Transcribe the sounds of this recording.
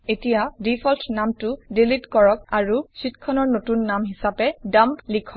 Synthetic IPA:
etijadipʰɔltʰnamtʊdilitkɔɹɔk̚aɹusitkʰɔnɔɹnotunːamɦisapɛdamplikʰɔ

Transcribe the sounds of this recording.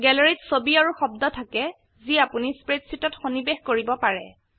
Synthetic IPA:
ɡɛlɔɹitsobiaɹuxɔbdɔtʰakɛ | ziapunispɹetsitɔtxonibexkoɹibɔpaɹɛ̰

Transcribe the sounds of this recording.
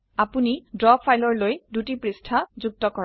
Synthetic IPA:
apunidɹɔbfʰajlɔɹlojdutipɹistʰazuk̚tɔkɔ

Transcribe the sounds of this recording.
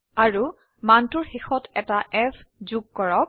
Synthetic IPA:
aɹu | mantuɹxixɔtɛtaʔɛfzuɡ̚kɔɹɔk̚

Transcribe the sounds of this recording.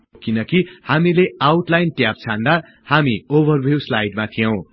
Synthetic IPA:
kinʌkihamileawʈlajnʈjap̚t͡sʰãnd̪a | hamiobʌrbʱjiwslajɖmat̪ʰijʌw̃

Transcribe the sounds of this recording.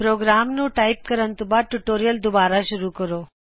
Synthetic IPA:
pɾoːɡɾaːmnũʈaːɪp̚kəɾənt̪ubaʈuʈoːɾijəld̪ʊbaːɾaʃʊɾukəɾoː

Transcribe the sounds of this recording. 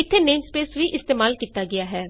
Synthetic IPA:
ɪt̪ʰːeːneːmspeːsʋiːʔɪst̪eːmaːlkiːt̪aːɡɪaːɦɛː

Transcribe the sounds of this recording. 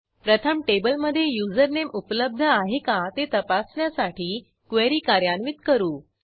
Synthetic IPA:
pɾət̪ʰəmʈebəlməd̪ʱːjejud͡zəɾnemupləb̚d̪ʱəaɦekat̪et̪əpasɳjasaʈiː | kʋeɾiːkaɾjanʋit̪kəɾuː

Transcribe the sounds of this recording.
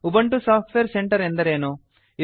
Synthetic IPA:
ubɐɳʈusaːpʰʈʋeːɾseɳʈɐɾend̪ɐɾeːnoː | i

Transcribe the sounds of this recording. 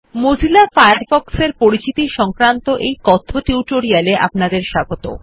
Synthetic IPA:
mod͡ʑʱilafajaɾfɔkseɾpoɾit͡ɕit̪iʃɔŋkɾant̪oʔejkɔt̪ʰːoʈiwʈoɾialeʔa̰pnad̪eɾʃaɡot̪o̰

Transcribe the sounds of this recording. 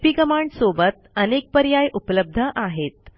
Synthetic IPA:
pikəmaɳɖsobət̪ənek̚pəɾjajʔupləb̚d̪ʱəʔaɦet̪̚

